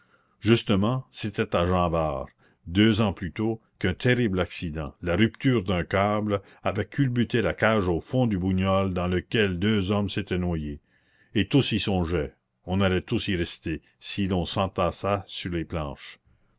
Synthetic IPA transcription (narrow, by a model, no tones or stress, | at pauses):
ʒyst̪əmɑ̃set̪ɛt̪aʒɑ̃ːba̰ːʁ | d̪øːzɑ̃plyt̪o | kœ̃t̪ʰeɾiblaksid̪ɑ̰̃laɾyp̚t̪yːʁd̪ɛ̃kabl | avɛkʰylbyt̪elakaːʒoːfɔ̃d̪ybuɲɔld̪ɑ̃ləkʲɛld̪øːzɔmset̪ɛnwaje | et̪usisɔ̃ʒɛ | ɔ̃nalɛt̪usiʁɛst̪e | silɔ̃sɑ̃t̪asasyʁleːplɑ̰̃ːʃ